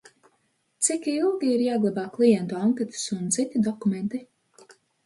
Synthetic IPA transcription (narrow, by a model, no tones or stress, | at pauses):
t̪sikilˠɡʲiiɾjaːɡlˠabaːklˠijɛnt̪uawŋkʲet̪ɪ̥sunt̪sit̪id̪ɔkumɛnt̪i